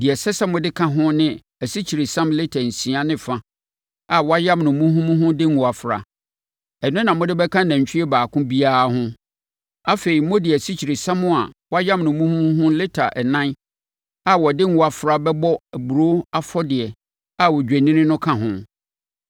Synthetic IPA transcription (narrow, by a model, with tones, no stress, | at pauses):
dɪ˨ɛ˨sɛ˦sɛ˦mʊ̃˨dɪ˦kʰã˦ɦʊ̃˦nɪ̃˦ | æ˨si˦t͡ɕʰi˨ɾe˨sã˦mlɪ˦tʰa˨n̩˨sĩ˨a˦nɪ̃˦fã˦ | a˨wɔ˦a˦jã˦mnʊ̃˨˦mũ˦ɦũ˦mũ˦ɦʊ̃˦dɪ˦ŋ˨u˨a˨fɾa̰˨ | ɛ˨nʊ̃˦nã˨mʊ̃˦dɪ˦bɛ˦kʰã˦næ̃˨ɲ˨t͡ɕʰᶣi˦ɛ˦baː˨kʰʊ̃˦bi˦a˦˨˦ɦʊ̃˦ | a˦fe˨ɾi˨mʊ̃˦dɪ˨æ˨si˦t͡ɕʰi˨ɾe˨sã˦mʊ̃˦a˨wɔ˦a˦jã˦mnʊ̃˨mũ˦hũ˦m̃˦ɦʊ̃˦lɪ˦tʰa˨ʔɛ˨nã˦n | a˨wɔ˨dɪ˦ŋ˦u˨a˨fɾa˦bɛ˦bɔ˦æ˨bu˨ɾo˦a˦fɔ˦dɪ˨ɛ˨ | a˦wɔ˨d͡ʑᶣæ˨nĩ˦nɪ̃˦nʊ̃˦kʰã˦ɦʊ̃˦